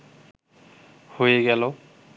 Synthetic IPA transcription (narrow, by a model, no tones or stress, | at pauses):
hojeɡɛlõ